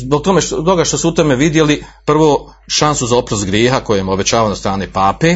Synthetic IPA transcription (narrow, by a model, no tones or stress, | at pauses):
zbok̚t̪o̞met̪o̞ɡaʃt̪o̞suut̪ome̞ʋid̪je̞lipr̩ʋoːʃansuzao̞pɾost̪ɡɾjeːɦakojemobe̞t͡ɕaːʋanost̪ɾaːnepaːpe